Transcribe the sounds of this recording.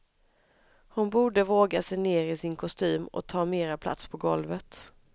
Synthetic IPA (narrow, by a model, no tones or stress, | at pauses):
hʊnbuːɖəvoːɡasɛjneːɾɪsɪnkʰɔst̪yːmɔ̰t̪ʰɑːmeːɾapʰla̰t̪spʰɔɡɔlvət̪